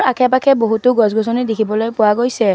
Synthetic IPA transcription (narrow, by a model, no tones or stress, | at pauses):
akʰɛpakʰɛboɦutʊɡɔsɡɔsɔnidekʰibɔlojpʊwaɡojsɛ